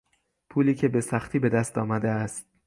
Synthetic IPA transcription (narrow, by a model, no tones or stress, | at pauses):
pʰuːliːcʰe̞be̞sæxt̪ʰiːbe̞d̪æst̪ɒːmæd̪eæst̪̚